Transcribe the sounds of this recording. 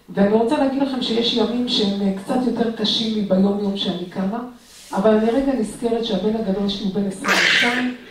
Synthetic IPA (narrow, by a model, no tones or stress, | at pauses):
veaniʁo̞t͡salaːɡilaχe̞mʃe̞jeʃjamimʃeemkt͡sat̪jo̞te̞ʁkaʃimibejo̞mjo̞mʃeanikama | ʔːvalmeʁe̞ɡaniske̞ʁet̪ʃeabe̞nhaɡado̞ljeʃliube̞nesʁimeʃtai